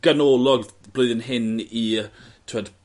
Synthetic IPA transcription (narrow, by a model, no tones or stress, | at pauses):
ɡ̥ənoːlˠɔɡ | b̥lˠoɨðənɦɪni | tʰwəd̥